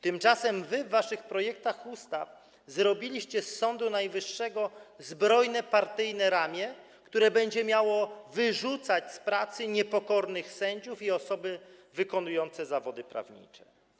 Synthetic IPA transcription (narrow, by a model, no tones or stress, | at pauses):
t̪ɘmt͡ʂasɛmvɘvːaʂɘxpɾɔjɛk̚t̪axust̪a̰f | zɾɔbʲilʲiɕt͡ɕɛsːɔnd̪unajvɘʂːɛɡɔzbɾɔjnɛpaɾt̪ɘjnɛɾamʲjɛ | kt̪uɾɛbɛɲd͡ʑɛmʲjawɔvɘʐut̪sat͡ɕspɾat̪sɘɲɛpɔkɔɾnɘxsɛɲd͡ʑufiɔsɔbɘvɘkɔnujɔnt̪sɛzavɔd̪ɘpɾa̰vɲḭt͡ʂɛ̥